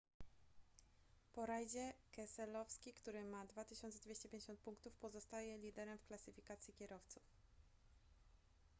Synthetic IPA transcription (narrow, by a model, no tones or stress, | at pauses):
pɔɾajd͡ʑɛkɛsɛlɔfskʲikt̪uɾɘmad̪vat̪ɘɕɔnsɛd̪vʲeɕt͡ɕɛpʲjẽɲd͡ʑeɕɔnt̪̚puŋkt̪ufpɔzɔst̪ajɛlʲid̪ɛɾɛmfklasɘfʲikat̪sʲjikʲɛɾɔft̪suf